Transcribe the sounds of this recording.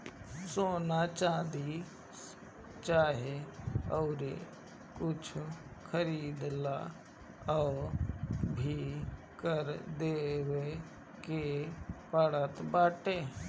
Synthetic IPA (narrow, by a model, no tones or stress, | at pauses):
soːnat͡ʃãːd̪i | t͡ʃaːɦeɔːɾe | kʊt͡ʃʰkʰəɾiːd̪la̰ː | ɔːɾbʱi | kəɾd̪eːwe | kepəɽət̪baːʈeː